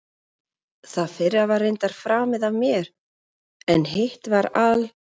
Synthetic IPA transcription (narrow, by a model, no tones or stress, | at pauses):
θaðfɪɾavarejnt̪aɾ̥fɾaːmɪðavmjɛɾ | ɛnɦɪht̪vaɾal